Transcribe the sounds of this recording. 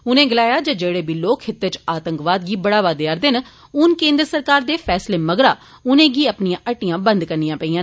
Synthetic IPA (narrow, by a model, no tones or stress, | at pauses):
ʊnẽːɡɪlaːjaːd͡ʒəd͡ʒeːɽeːbiːloːkʰɪt̪ːet͡ʃaːt̪əŋkʋaːd̪ɡiːbəɽaːʋaːd̪ɪaːɾd̪ɪn | ʊnkẽːnd̪ɾəsəɾkaːɾd̪eːpʰɛːsleːməɡɾaː | ʊnẽːɡiːəpnijãːʔəʈːijãːbənd̪kəɾnijãːpəiːãː